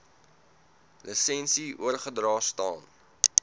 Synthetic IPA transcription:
lʔəsɛnsiʔṵərχədrɑːstɑːn

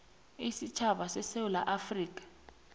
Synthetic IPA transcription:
isit͡ʃʰaɓasɛsewula̰ʔafriːk̬ʼḁ

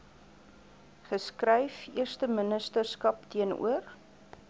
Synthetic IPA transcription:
χəskrɛjfiərstəmənəstərskɐptiənṵər

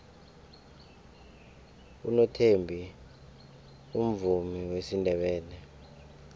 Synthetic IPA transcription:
ṵnɔtʰembʱi | um̩vumiwesindʱɛɓɛːnɛ

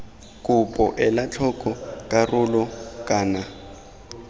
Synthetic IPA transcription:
kʼʊpʼɔʔɛlat͡ɬʰɔkʼɔkʼarʊlɔkʼaːna

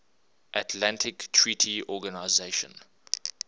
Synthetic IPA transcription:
ʔatʰlãntʰɪktʰɹitʰiɔɡanaɪzeʃə̰̃n

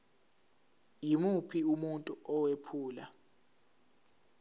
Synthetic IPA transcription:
jimupʰiumuntʼuʔɔwepʰuːla

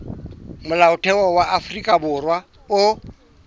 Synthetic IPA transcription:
mʊlaʊtʰɛwɔwaʔafʊrikʼabʊrwa | ʊ

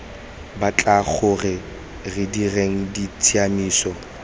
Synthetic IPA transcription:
bat͡ɬʼak͡xʰʊrɪ | rɪdireŋ̩dit͡sʰʼianiːsɔ

